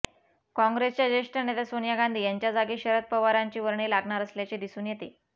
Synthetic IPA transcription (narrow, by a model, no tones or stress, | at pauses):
kɔ̃ŋɡɾest͡ɕjad͡ʑeʂʈəned̪asonjaɡand̪ʱiːjaɲt͡ɕjad͡zaɡiːɕəɾət̪̚pəʋaɾaɲt͡ɕiːʋəɾɳiːlaɡɳaɾəsljat͡ɕiːd̪isuːnjet̪iː